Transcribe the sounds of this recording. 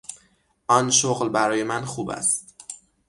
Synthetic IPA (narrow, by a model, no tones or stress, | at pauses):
ɒnʃoɣlbæɾɒːje̞mænxuːbæ̰st̪